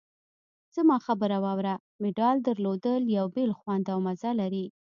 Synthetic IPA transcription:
z̥əmɑxabəɾawɑwɾa | mɪɖɑld̪əɾlod̪əljawbelxwand̪awmazalaɾi

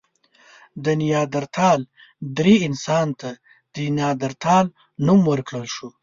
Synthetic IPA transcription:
d̪ənijɑːd̪aɾt̪ʰɑl | d̪ɾiɪnsɑnt̪a | d̪̥ənjɑːd̪aɾt̪ʰɑl | numwəɾkɽəlʃu

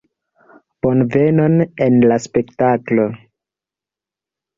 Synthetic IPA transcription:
po̞nve̞no̞ne̞nlaspe̞ktaklo̞

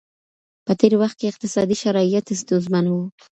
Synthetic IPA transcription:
pət̪eɾwaxt̪̚keɪq̚t̪ɪsɑd̪iʃaɾɑijat̪ɪst̪ozmanwu

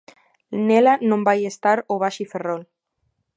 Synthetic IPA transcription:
nelanõmbajest̪aɾoβ̞aʃiferol

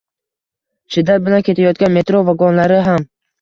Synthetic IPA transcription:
t͡ʃʰɪd̪at̪̚bɪlankʰʲe̞t̪ʰajɒt̪̚ɡʲanme̞t̪ɾovaɡɒnlaɾɪɦam

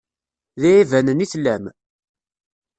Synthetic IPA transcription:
ðiivænəniθlːæm

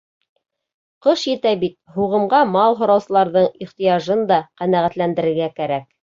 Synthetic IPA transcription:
qɤʃjɘ̆t̪æbit̪̚huʁɤ̆mɢɑmɑlˠɦŏɾɑwsɤ̆lˠɑɾðɤɴiχt̪ijɑʒɤnd̪ɑqænæʁæt̪lænd̪ɘ̆ɾɘ̆ɾɡækæɾæk̚

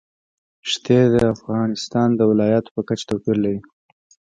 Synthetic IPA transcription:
ʃt̪ed̪əafɣɑnɪst̪ɑnd̪əwɪlɑjɑt̪o̥pəkat͡ʃḁt̪awpiɾlaɾi

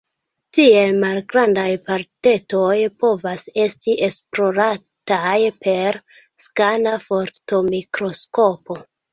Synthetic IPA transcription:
tie̞lmalɡɾandajpaɾte̞to̞jpo̞vase̞stiʔe̞spɾo̞ɾa | tajpʰe̞ɾ | skanafo̞ɾto̞mikɾo̞sko̞po̞

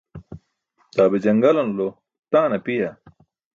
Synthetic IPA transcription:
t̪aːbed͡ʑɐŋɡɐlɐnlo | t̪ãːnɐpija

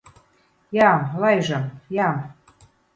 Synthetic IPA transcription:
jɑmlɑjʒɑmjɑm

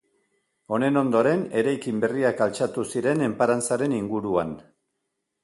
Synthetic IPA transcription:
o̞ne̞no̞nd̪o̞ɾe̞ne̞ɾajkimbe̞riakalt͡ʃat̪usiɾe̞ne̞mpaɾant͡saɾe̞niŋɡuɾuan

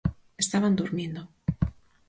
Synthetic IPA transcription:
est̪aβand̪uɾmjẽnd̪o

